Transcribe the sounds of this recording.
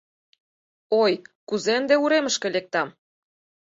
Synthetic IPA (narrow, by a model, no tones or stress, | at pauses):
ojkuzend̪euɾemə̆ʃkĕlek̚t̪ɑm